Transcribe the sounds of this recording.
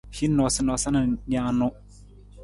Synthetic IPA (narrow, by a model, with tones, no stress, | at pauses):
fi˦nɔ˨sɪ˦nɔ˨sa˦na˨ɲ˦a˦nʊ˦